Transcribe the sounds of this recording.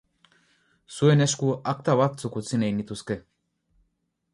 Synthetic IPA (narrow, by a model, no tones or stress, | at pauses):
sueneʃkuak̚t̪aβat̪t͡sukut͡sinejnit̪uske